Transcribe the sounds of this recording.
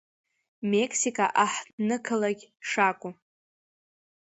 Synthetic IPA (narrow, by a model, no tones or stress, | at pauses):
mekʰʼsikʼaʔaħdnɨkʰɨlaɡʲʂakʷʼu